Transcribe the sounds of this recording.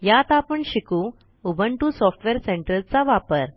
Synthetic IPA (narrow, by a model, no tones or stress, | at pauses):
jat̪apəɳɕiku | ubʱəɳʈusɔfʈʋeɾseɳʈəlt͡saʋapəɾ